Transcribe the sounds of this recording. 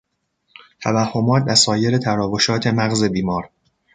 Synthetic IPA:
t̪ʰævæhːo̞mɒːt̪̚ʰdæsɒːje̞ɾe̞t̪ʰæɾɒːvo̞ʃɒːt̪ʰe̞mæɣze̞biːmɒːɾ

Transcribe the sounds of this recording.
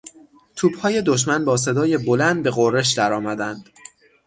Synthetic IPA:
t̪ʰuːb̥hɒːje̞d̪o̞ʃ̬mænbɒːs̬e̞d̪ɒːje̞bo̞lænd̪̚be̞ɣorːe̞ʃ̬d̪æɾɒːmæd̪ænd̪̥

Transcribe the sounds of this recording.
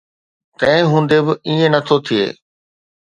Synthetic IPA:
k̪ɐ̃ɦɪ̃ɦũːnd̪ebɪiẽnɐt̪ʰot̪ʰiḛː

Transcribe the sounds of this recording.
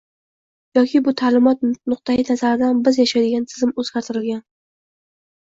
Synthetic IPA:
jɒkʲʰɪbʊt̪ʰaːlɪmɒt̪̚nʊq̚t̪ʰainazaɾɪd̪anbɪzjaʃajd̪ɪɡʲant̪ʰɪ̥zɪmɵzɡʲaɾt̪ʰɪɾɪlɡʲan

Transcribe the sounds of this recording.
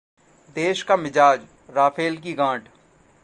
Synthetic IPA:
d̪eːʃkamɪd͡ʒaːd͡ʒ | ɾaːfʰeːlk̬iɡãːʈ

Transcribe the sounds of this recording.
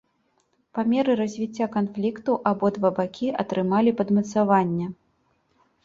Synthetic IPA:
pamʲɛɾɨɾɐzʲvʲit͡sʲːakanflʲikt̪uʔabɔd̪vabakʲʰiʔɐt̪ɾɨmalʲipɐd̪mɐt̪savanʲːɛ

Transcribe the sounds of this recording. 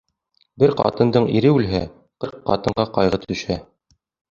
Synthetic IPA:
bɘɾqɑ̰t̪ɤ̆nd̪ɤɴiɾɘʉlɦæ | qɤɾqːɑ̰t̪ɤ̆ɴɢɑqɑjʁɤt̪ɵ̆ʃæ

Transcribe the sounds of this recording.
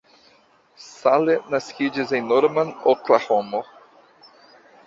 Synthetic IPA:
salenaskid͡ʒizenoɾmanoklahomo

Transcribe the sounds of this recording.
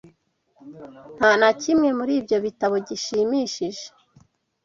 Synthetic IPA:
n̥hanacimŋe̞muɾiːbjo̞βitaβo̞ɟiʃiːmiʃiʒe̥

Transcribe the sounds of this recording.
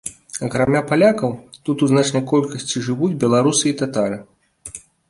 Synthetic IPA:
ɐkɾamʲapalʲakɐwt̪ut̪uznat͡ʂnɐjkɔlʲkɐsʲt͡sʲiʐɨvud͡zʲbʲɛlˠaɾusɨit̪at̪aɾɨ

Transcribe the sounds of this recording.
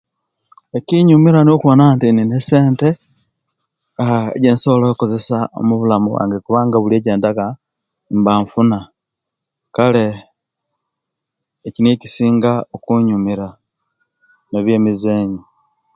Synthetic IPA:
eciɲumiɾanokuonantininese̞ːnte | ḛɟeːnso̞loikoze̞sao̰muβulamuβwa̰ːŋɡekuβaːŋɡaβulieːɟeːndaka | mbaːɱfuna | kale | cinicisiːŋɡaokuɲumiɾa | neβje̞ːmizeːɲi

